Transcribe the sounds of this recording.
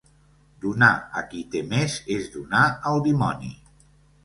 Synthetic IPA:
d̪unaə̰kit̪emezezd̪unaəlˠd̪imɔnḭ

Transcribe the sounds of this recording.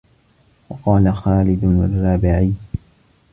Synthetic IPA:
wɑqɑːlaxaːlɪd̪ʊna̰rˤːɑːbɪʕiː

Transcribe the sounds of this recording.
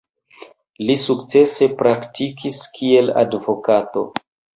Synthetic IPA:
lisuk̚t͡se̞se̞pɾaktikʰiskʰie̞la̰dvo̞kato̞̰

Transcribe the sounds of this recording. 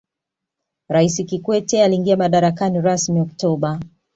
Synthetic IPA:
ɾaisikikwɛtɛaliːŋɡiamaɗaɾakaniɾasmiɔktɔɓa

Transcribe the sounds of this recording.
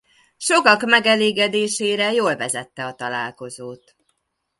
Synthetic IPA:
ʃo̞kɒkmɛɡɛleːɡɛd̪eːʃeːɾɛjoːlvɛzɛt̪ːɛɒt̪ɒla̰ːlko̞zoːt̪

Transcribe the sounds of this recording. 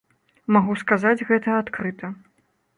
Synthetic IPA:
maɣuskazad͡zʲɣɛt̪ɐat̪kɾɨt̪ɐ

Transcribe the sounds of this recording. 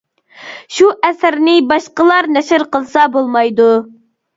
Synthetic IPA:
ʃuʔɛsɪɾnɪbɑʃqəlˠɑɾnɛʃɪɾqəlˠsɑbolˠmɑjd̪u

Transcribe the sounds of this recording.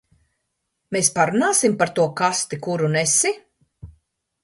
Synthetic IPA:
mespaɾunaːsimpaɾt̪uɔkast̪ikuɾunɛsi

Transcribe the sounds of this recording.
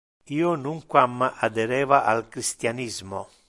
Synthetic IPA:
iːonuŋkwamːaad̪ɛɾɛːvaʔalkɾist̪janizmo

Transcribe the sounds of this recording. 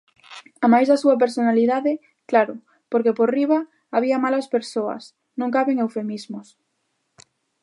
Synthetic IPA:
amajzðasuap̬eɾsonaliðaðe | klaɾo | poɾkepoɾriβaː | β̞iamalaspeɾsoa̰s | nõŋkaβeŋewfe̞mizmos

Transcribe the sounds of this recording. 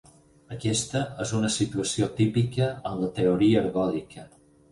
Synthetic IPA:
əkɛst̪əəzunəsit̪uəsiot̪ipikəənlət̪eoɾiəːɾɣɔlikʰə

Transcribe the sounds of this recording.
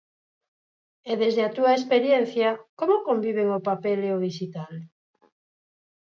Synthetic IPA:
ɛðezðeat̪uaespeɾjen̟θjakomokombiβ̞eŋopapeleoβiʃit̪al

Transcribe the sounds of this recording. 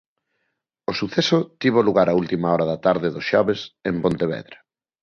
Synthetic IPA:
osuθɛsʊt̪iβ̞oluɣaɾault̪imaɔɾɐðɐt̪aɾðɪðosʃɔβesempont̪eβɛ̰ðɾa

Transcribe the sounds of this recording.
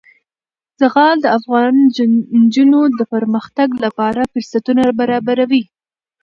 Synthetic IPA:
z̥aɣɑld̪əafɣɑn | d͡ʒunod̪əpəɾməxt̪aɡlapɑɾafəɾsat̪unabaɾɑbaɾawi

